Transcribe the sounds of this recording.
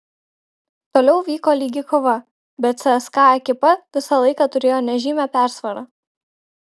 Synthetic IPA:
t̪oːlʲɛʊʋʲiːkoːlʲiːɡʲɪkoʋɐ | bʲɛt̪sʲɛskɑːɐkʲɪpɐʋʲɪsɐlˠɐɪkɑːt̪ʊɾʲeːjoːnʲɛʒʲiːmʲɛpʲæˑɾsʋɐɾɑ

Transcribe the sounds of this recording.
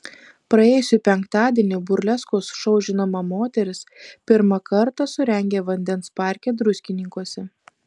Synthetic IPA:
pɾɐeːjʊsʲʊpʲɛŋkt̪ɑːd̪ʲiːnʲɪbʊɾʲlʲɛskoːsʃɔʊʒʲɪnɐmɐmoːt̪ʲɛɾʲɪspʲɪɾmɐkɐɾt̪ɐsʊɾʲɛŋʲɡʲeːʋɐnʲd̪ʲɛnspɑˑɾʲkʲɛːd̪ɾʊsʲkʲɪnʲɪŋkuɔsʲɛ

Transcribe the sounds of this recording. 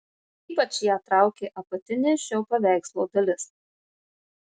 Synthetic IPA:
iːpɐt͡ʃʲjæːt̪ɾɑˑʊkʲeːʔɐpɐt̪ʲɪnʲɪʃʲɛʊpɐʋʲæˑɪkslˠoːd̪ɐlʲɪs

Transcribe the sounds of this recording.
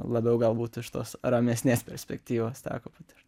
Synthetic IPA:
lˠɐbʲɛʊɡɐlˠbuːt̪ɪʃt̪oːsɾɐmʲɛsʲnʲeːspʲɛɾʲsʲpʲɛk̚t̪ʲiːʋoːst̪ʲæ̰ːkoːpɐt̪ɪɾ

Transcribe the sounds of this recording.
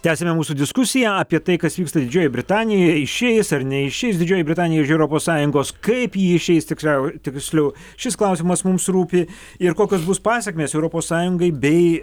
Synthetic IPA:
t̪ʲæːsʲemʲɛmuːsuːd̪ʲɪskʊsʲɪjæɐːpʲiɛt̪ɐɪkɐsʋʲiːkst̪ɐd̪ʲɪd͡ʒʲoːjɛbʲɾʲɪt̪ɑːnʲɪjojɪʃʲeːjɪsɐɾnʲɛɪʃʲɛɪsd̪ʲɪd͡ʒʲoːjɛbʲɾʲɪt̪ɑːnʲɪjɛɪʃɛʊɾoːpoːssɑːjʊŋɡoːskɐɪpjiːɪʃʲɛɪst̪ʲɪksʲlʲɛʊt̪ʲɪksʲlʲɛʊ | ʃʲɪsklˠɐʊsʲimɐsmʊmsɾuːpʲɪ | ɪɾkoːkʲoːsbʊspɑːsʲɛkʲmʲeːsɛʊɾoːpoːssɑːjʊŋɡɐɪbʲɛɪ

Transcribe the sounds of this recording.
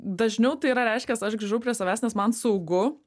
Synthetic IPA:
d̪ɐʒʲnʲɛʊt̪ɐɪiɾɐɾʲɛɪʃʲkʲɛsɐʃɡɾʲiʒɛʊpɾʲiɛsɐʋʲæːsʲnʲɛsmɐnsɐʊɡʊ

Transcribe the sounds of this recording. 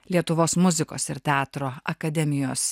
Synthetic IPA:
lʲiɛt̪ʊʋoːsmʊzʲɪko̰ːsɪɾt̪ʲæːt̪ɾoːɐkɐd̪ʲɛmʲɪjoːs

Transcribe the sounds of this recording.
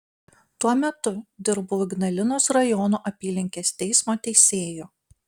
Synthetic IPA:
t̪uɔmʲɛt̪ʊd̪ʲɪɾbʊɡnɐlʲɪnoːsɾɐjɔnuːʔɐpʲiːlʲɪŋʲkʲeːst̪ʲɛɪsmoːt̪ʲɛɪsʲeːjoː

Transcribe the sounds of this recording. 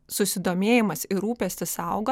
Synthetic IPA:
sʊsʲɪd̪oːmʲeːjɪmɐsɪɾuːpʲɛsʲt̪ʲɪsɑʊɡo

